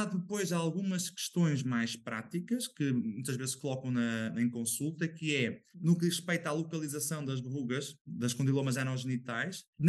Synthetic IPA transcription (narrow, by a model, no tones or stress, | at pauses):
aðɨpojzalˠɣumɐʃkɨ̥ʃt̪õj̃ʒmajʃpɾa̰t̪ikɐʃkɨmũt̪ɐʒvezɨʃkulˠɔkɐ̃w̃nɐɐ̃j̃kõsulˠt̪ɐkɨɛnukðiʁɨpejt̪alˠukɐlˠizɐsɐ̃w̃d̪ɐʒβʁuɣɐʃðɐʃkõnd̪ilˠomɐzanɔʒɨnit̪ajʃn